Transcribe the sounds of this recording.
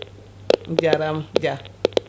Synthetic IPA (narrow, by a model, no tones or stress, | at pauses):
d͡ʒaɾamd͡ʒa